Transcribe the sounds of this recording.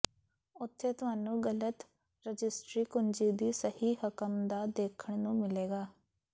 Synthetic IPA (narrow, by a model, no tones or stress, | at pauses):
ʊt̪ʰːeːt̪ʊɦaːnũːɡələt̪ | ɾəd͡ʒɪsʈɾiːkʊnd͡ʒiːd̪iːsəhiːɦəkəmd̪aːd̪eːkʰəɳ̃nũːmɪleːɡaː